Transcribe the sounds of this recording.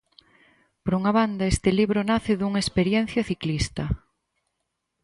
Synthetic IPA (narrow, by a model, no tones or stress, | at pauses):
poɾuŋaβand̪aest̪ɪliβɾonaθɪðuŋaespeɾjen̟θjɐθiklist̪ɐ